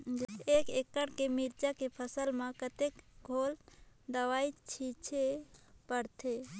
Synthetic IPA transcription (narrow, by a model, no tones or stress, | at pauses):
ekekːəɽkemiɾt͡ʃakepʰəsəlmãkət̪ekɡʱold̪əʋait͡ʃʰit͡ʃʰepəɾt̪ʰe